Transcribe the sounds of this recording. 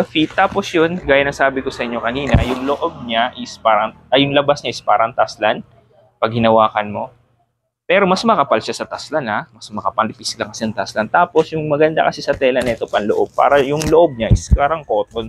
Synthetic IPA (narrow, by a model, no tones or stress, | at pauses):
ɐfit̪ːaːpo̞sjonɡaːjanɐŋsaːbɪko̞sɐʔɪɲːo̞kɐniːnɐjʊŋloʔo̞b̚ɲaʔɪspaːɾɐʔŋʔɐjʊŋlɐbasɲaʔɪspaːɾɐʔɐŋt̪aslan | pɐɡ̚hɪnɐwaːkɐnmo̞̰ | pɛːɾo̞mɐsmɐkɐpalʃasɐt̪aslanamɐsmɐkɐpɐlɪpislɐŋkɐsɛnɐŋt̪aslant̪aːpo̞sjʊŋmɐɡɐnd̪a̰kɐsɪsɐt̪ɛlɐnɛt̪o̞pɐnloʔo̞b̚pa̰ːɾɐjʊŋloʔo̞b̚ɲaʔɪspaːɾɐɐŋko̞ːt̪on